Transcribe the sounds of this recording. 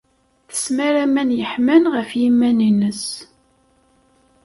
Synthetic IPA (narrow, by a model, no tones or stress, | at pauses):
θə̥smæɾæmænjəħmənʁəfjimːæninəs